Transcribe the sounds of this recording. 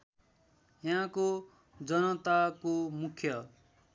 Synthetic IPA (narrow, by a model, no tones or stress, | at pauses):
jaɦãko | d͡zʌnʌt̪akomukʰjʌ